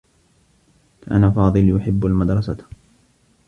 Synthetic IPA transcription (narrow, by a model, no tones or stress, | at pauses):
ʔa̰naːfɑːðˤɨljʊħɪbːalmad̪ɾˤɑsa